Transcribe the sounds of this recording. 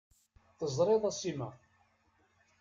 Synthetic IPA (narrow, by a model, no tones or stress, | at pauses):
θəzˤɾˤeðˤæsimæ